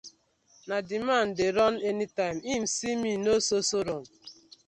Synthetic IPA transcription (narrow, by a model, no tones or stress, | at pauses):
nadiman̩dɪɾɔnenitaɪm̩im̩siminososoɾom̩